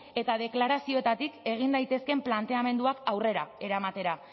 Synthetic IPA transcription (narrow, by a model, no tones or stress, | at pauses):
e̞t̪aðe̞klaɾasio̞et̪at̪ike̞ɣ̞ind̪ajt̪e̞ske̞mplant̪e̞ame̞nd̪uakawre̞ɾae̞ɾamat̪e̞ɾa